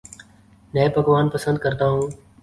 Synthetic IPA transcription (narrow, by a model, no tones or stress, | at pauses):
nẽːpəɡʋaːnpəsə̃nd̪̚kəɾt̪aːɦũː